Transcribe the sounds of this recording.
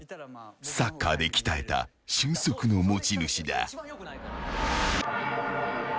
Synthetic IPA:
sakːaːd̪e̞kʲi̥t̪ae̞t̪a̰ | ɕɨ̃ːɰso̞kɯ̟no̞mot͡ɕinɯ̟ɕid̪a̰

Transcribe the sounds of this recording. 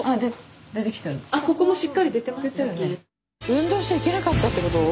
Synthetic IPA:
ad̪ed̪e̞t̪ekʲi̥t̪eɾɯ̟nako̞ko̞moɕikːaɾʲid̪e̞t̪e̞maeɨene | ɯ̟̃nd̪o̞ːɕi̥t͡ɕaike̞nakat̪ːat̪ːe̞ko̞t̪o

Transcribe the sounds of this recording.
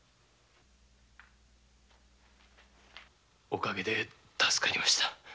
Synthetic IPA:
o̞kaɡe̞d̪e̞ | t̪asɨ̥kaɾʲimaɕi̥t̪a

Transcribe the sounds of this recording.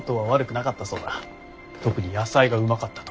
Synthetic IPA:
t̪oβaβaɾɯ̟kɯ̟nakat̪ːaso̞̰ːd̪a | t̪o̞kɯ̟ɲ̟ijasaiɡaɯ̟makat̪ːḁt̪o

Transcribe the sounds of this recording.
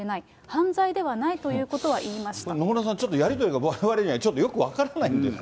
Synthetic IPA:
enai | hãnzaid̪e̞βanait̪o̞jɯ̟ːko̞t̪o̞βaʔiːmaɕi̥t̪ano̞moɾos̬ãɲt͡ɕo̞t̪ːo̞jaɾʲit̪oɾiɡaβaeβaɾe̞ɲaat͡ɕo̞t̪ːojo̞kɯ̟βakaɾanaĩnd̪e̞s

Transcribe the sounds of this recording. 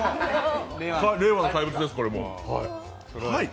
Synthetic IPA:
kaɾe̞ːβanokaibɯ̟t͡sɨd̪e̞sɨ̥ko̞ɾe̞mo̞̰h | hai

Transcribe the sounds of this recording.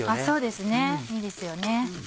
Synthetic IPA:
aso̞ːd̪e̞sɨne̞iːd̪e̞sɨjo̞ne̞

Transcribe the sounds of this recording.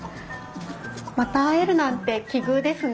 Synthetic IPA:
mat̪aːeɾɯ̟nãnt̪e̞kʲiɡɯːd̪e̞sɨn

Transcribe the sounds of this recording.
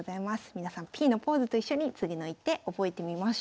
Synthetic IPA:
zaimasɨ̥mʲinasãmpʲiːno̞po̞ːzɨt̪o̞iɕːo̞ɲ̟it͡sɨɡʲino̞it̪ːe̞o̞bo̞e̞t̪e̞mʲimaɕ

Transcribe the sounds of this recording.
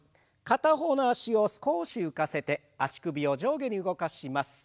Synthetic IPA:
kat̪aɦo̞ːnoaɕio̞sɨ̥ko̞ːɕiɯ̟kase̞t̪e̞ | aɕi̥kɯ̟bʲio̞d͡ʑo̞ːɡe̞ɲ̟iɯ̟ɡo̞kaɕimasɨ̥

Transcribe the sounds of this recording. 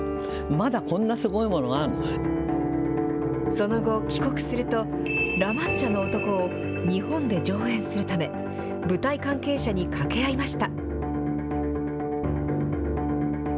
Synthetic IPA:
mad̪akõ̞nːasɨɡo̞imo̞noɡaɾɯno | so̞no̞ɡo̞kʲi̥ko̞kɯ̟̥sɨɾɯ̟t̪o̞ | ɾamãɲt͡ɕano̞ːt̪o̞ko̞ː | ɲ̟ihõ̞nd̪e̞d͡ʑo̞ːẽ̞ɰ̃sɨɾɯ̟t̪ame̞ | bɯ̟t̪aikãŋke̞ːɕaɲ̟ikʰake̞aimaɕi̥t̪a

